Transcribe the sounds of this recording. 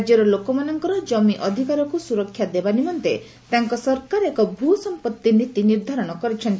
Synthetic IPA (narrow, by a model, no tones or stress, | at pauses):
d͡ʒjɔɾɔlokɔmanɔŋkɔɾɔd͡ʒɔmiʔɔd̪ʱikaɾɔkusuɾɔkʰːjad̪ebanimɔnt̪e | t̪aŋkɔsɔɾkaɾekɔbʱusɔmpɔt̪ːinit̪iniɾd̪ʱaɾɔɽ̃ɔkɔɾit͡ʃʰɔnt̪